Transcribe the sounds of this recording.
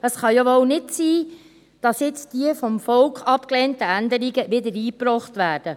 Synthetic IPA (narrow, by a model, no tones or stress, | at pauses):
əsχɑjoʋownɪtsiː | d̥ɑsjɪt͡sd̥iəfɔmfɔlkχɑpklɛːntəændəɾiɡəʋɪdəɾiːpɾɔχtʋæːrd̥ə